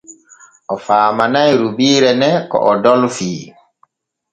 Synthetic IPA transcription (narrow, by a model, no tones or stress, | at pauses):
ʔɔfaːmanajɾubiːɾɛnɛkɔ̰ʔɔdɔlfiː